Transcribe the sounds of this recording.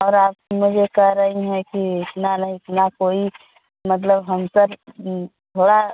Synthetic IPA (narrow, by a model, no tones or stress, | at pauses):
ɔːɾaːp̚mʊd͡ʒʱekɛɦɾəɦiɦɛ̃kiɪt̪nanəɦiɪt̪nakoi | mət̪̬ləbɦəmsəɾ | b̪ʱoːɽa